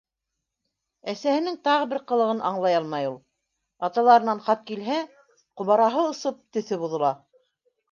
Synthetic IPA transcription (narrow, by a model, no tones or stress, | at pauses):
æsæhɘ̆nɘŋt̪ɑʁɤ̆bɘɾqɤ̆lˠɤ̆ʁɤnʔɑɴlˠɑjɑlˠmɑjulˠ | ɑt̪ɑlˠɑɾɤ̆nɑnχɑp̪̚kilɦæ | qŏβɑɾɑɦɤŏsɤp̚t̪ɵ̆θɵβuðɤ̆lˠɑ